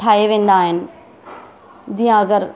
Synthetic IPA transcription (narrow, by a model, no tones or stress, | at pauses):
ʈʰaːeʋẽːnd̪aːɦɪnɪ̆ | d͡ʑijãɐɡəɾ